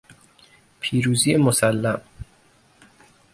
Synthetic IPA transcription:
pʰiːɾuːziːjemosælːæm

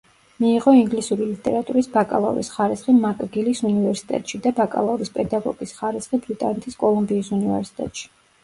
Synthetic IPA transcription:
miːʁɔiŋɡlisuɾilit̪ʼɛɾat̪ʼuɾisbakʼa̰lˠa̰ɾḭsχaɾisχimakʼɡilisunivɛɾsi̥t̪ʼɛ̰t̪ʼʃid̪abakʼa̰lˠauɾispʼɛd̪aɡɔ̰ɡ̥isχaɾisχibɾit̪ʼa̰nɛt̪ʰiskʼɔlˠumbiːsunivɛ̰ɾsi̥t̪ʼɛ̰t̪ʼʃi̥

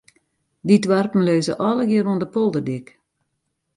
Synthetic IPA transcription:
didʋarpn̩løːzə̰ʔɔləɡiərundəpolˠdərdɪk

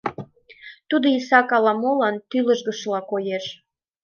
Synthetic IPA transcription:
t̪ud̪oisɑkɑlɑmolɑnt̪yləʒɣəʃlɑkojeʃ

